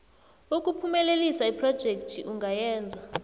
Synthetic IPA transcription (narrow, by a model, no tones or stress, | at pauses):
uk̬ʼupʰumɛlelisaipʰrɔd̥ʒ̥ʱek̚tʰiʔuŋʱajɛːnd͡zʱa